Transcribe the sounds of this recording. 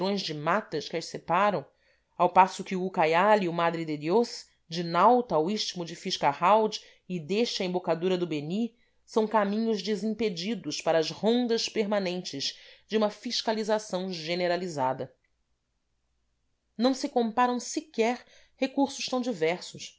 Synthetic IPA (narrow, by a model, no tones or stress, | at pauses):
ɾõj̃zd͡ʒɪmat̪ɐʃkʲɪɐʃsepaɾɐ̃w̃ | awpasʊkɪuukajaliʊmad̪ɾɪd̪ed̪jos | d͡ʒɪnawt̪ɐːwiʃt͡ʃimʊd͡ʒɪfiʃkahawd͡ʒ | ɪd̪eʃɐẽmbokad̪uɾɐd̪ʊbeni | sɐ̃w̃kamĩɲʊʒd͡ʒɪzĩped͡ʒid̪ʊʃpaɾɐːzhõnd̪ɐʃpeɾmanẽnt͡ʃɪzd͡ʒɪũmɐfiʃkalizasɐ̃w̃ʒeneɾalizad̪ɐ | nɐ̃w̃sɪkõmpaɾɐ̃w̃sikɛɾ | hekuɾsʊʃt̪ɐ̃w̃d͡ʒivɛɾsʊʃ